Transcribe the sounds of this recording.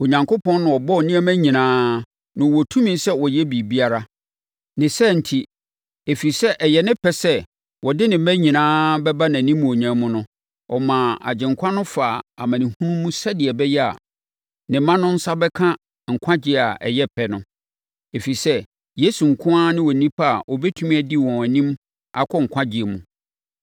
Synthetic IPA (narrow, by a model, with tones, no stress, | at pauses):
o˨ɲã˨ŋko˦pʰɔ̃˦n˦nʊ̃˨ɔ˨bɔ˦˨nĩ˦æ˦mæ̃˦ɲĩ˨nãː˦ | nʊ̃˨wɔ˨tʰũ˦mĩ˨nsɛ˦wɔ˨jɛ˦bi˨bi˦a˦ɾa˦ | nɪ̃˨sɛ˦˨n̩˨tʰi˨ | e˨fi˨sɛ˦ʔɛ˨jɛ˨nɪ̃˦pʰɛ˦sɛ˦ | wɔ˨dɪ˦nɪ̃˨˦mæ̃˦ɲĩ˨nãː˦bɛ˦ba˦nã˨nĩ˦mũ˨o˨ɲã˨˦mʊ̃˦nʊ̃˦ | ɔ̰˨mã˨a̰˨d͡ʑɪ̃˨ŋkʷʰã˦nʊ̃˦faː˨a˨mã˨nɪ̃˨hũ˦mːũ˦sɛ˦dɪ˨ɛ˨bɛ˦jɛ˦a̰˨ | nɪ̃˨mːã˦nʊ̃˦n̩˦sa˦bɛ˦kʰã˦ | ŋ̩˨kʷʰã˦d͡ʑɪ˦˨a˨ʔɛ̰˨jɛ˦pʰɛ˦nʊ̃˦ | e˨fi˨sɛ˦ | je˦su˨ŋ̩˨kʰʊ̃˦a˦nɪ̃˦wɔ˨nĩ˦pʰa˦a˨ʔɔ˨bɛ˦tʰu˦mĩ˦æ˨di˦wɔ̃˨æ˨nĩ˦m | a˨kʰɔ˦ŋ̩˨kʷʰã˦d͡ʑɪ˨e˨mṵ̃˨